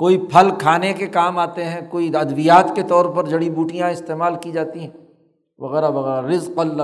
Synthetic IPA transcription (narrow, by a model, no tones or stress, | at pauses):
koːipʰɐlkʰaːnekekaːmaːt̪eɦɛ̃koːiɐd̪bijaːt̪ket̪ɔːɾpɐɾd͡ʒɐɽibuːʈijãɪst̪eːmaːlkid͡ʒaːt̪iɦɛ̃ | ʋɐɣɛːɾaʋɐɣɛːɾaɾɪzqɐlː